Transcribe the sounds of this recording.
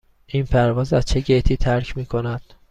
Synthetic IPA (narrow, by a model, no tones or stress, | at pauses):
ʔinpʰæɾvɒːzæz̥t͡ʃʰe̞ɟet̪ʰiːt̪ʰæɾcʰmiːkʰo̞næd̪̥